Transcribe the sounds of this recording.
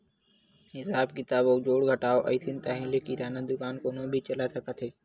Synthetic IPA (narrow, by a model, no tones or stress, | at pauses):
ɦɪsaːbkɪt̪aːboːd͡ʒoːɽɡʱəʈaːoːʔɐ̰isɪnt̪aːɦĩːlekiɾaːnəd̪ʊkaːnkoːnobʱit͡ʃəlasəkʰat̪ʰeː